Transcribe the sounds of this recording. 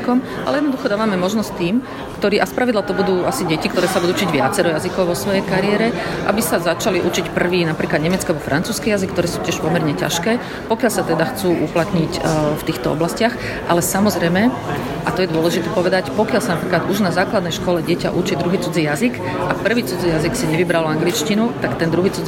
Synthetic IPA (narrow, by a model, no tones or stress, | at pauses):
kɔm | alɛjɛd̪nɔd̪uxɔd̪aːʋamɛmɔʒnɔsct̪iːm | kt̪ɔɾiːʔaspɾaʋid̪lat̪ɔbud̪uːasiɟɛcikt̪ɔɾɛːsabud̪uːut͡ʃiɟʋɪa̰t͡sɛɾɔjazikɔʊʋɔsʋɔjɛjkaɾɪɛɾɛʔa̰bisazat͡ʃaliʔut͡ʃicpr̩ʋiːnapɾiːklad̪ɲɛmɛt͡skabɔfɾʔa̰nt͡suːskijazikt̪ɔɾɛːsuːtcɪɛʃpɔmɛɾɲɛca̰ʃkɛː | pɔkɪalsat̪ɛd̪axt͡suːʔuplat̪ɲicft̪iːxt̪ɔɔ̰blascɪax | ʔalɛsamɔzɾɛjmɛ | ʔat̪ɔjɛd̪ʊɔlɛʒit̪ɛːpɔʋɛd̪acpɔkɪalsanapɾiːklad̪uʒnazaːklad̪nɛjʃkɔlɛɟɪɛca̰ʔut͡ʃid̪ɾuɦiːt͡sud͡zijazik | ʔak̚pr̩ʋiːt͡sud͡zijaziksiɲɛʋibɾalaŋɡlit͡ʃcinut̪akt̪ɛnd̪ɾuɦiːt͡sud͡z